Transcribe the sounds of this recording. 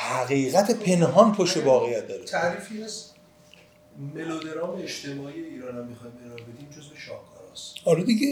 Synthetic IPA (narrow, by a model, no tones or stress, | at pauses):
hæɣiːɣæt̪ʰepʰe̞nɦɒnpʰoʃt̪evɒːɣejːæt̪̚d̪ɒːɾet̪ʰæɾiːfiæz | melod̪e̞ɾɒːmeeʃt̪ʰemɒːiːjeiːɾɒːnamːixɒjmdeɾɒːɾbed̪iːmd͡ʒozve̞ʃɒːhkʰɒːɾɒ̰ːst̪hɒlɒd̪iɟe